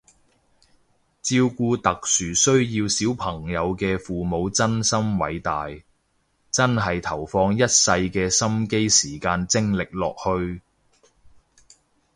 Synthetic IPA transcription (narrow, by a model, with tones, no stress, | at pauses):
t͡siː˧wkuː˧t̪ɐ˨k̚syː˨˩sɵ˥ɥjiː˧wsiː˨˥wpʰɐ˨˩ŋjɐ˨˧wkɛː˧fuː˨mo˨˧wt͡sɐ˥nsɐ˥mwɐ̰˨˧jt̪aː˨j | t͡sɐ˥nɦɐ˨jt̪ʰɐ˨˩wfɔː˧ŋjɐ˥t̚sɐ˧jkɛː˧sɐ˥mke˥jsiː˨˩kaː˧nt͡sɪ˥ŋlɪ˨k̚lɔː˨k̚hɵ˧ɥ